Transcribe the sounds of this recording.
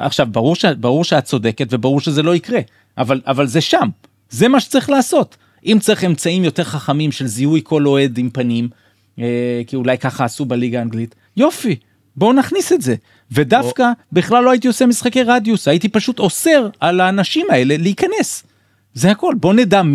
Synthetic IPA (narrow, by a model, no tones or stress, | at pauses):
a̰χʃavbaʁuʁʃebaʁuʁʃeat̚t͡so̞de̞ketve̞baʁuʁʃe̞ze̞lo̞ikʁe̞ | ʔavalavalze̞ʃam | ze̞maʃe̥t͡saʁiχlaːso̞t | ʔimt͡saʁiχe̞mt͡saimjo̞te̞ʁχaχamimʃe̞lziujkʰo̞lo̞e̞d̪impanim | ekiulajkaχaːsubeliɡaːnɡlit | jo̞fi | bo̞naχnisetze̞ | ve̞dafkabiχlalːoait̪̬io̞semisχake̞jʁadjusaitipaʃuto̞se̞ʁalaːnaʃimae̞le̞leikane̞s | zehako̞lbo̞neda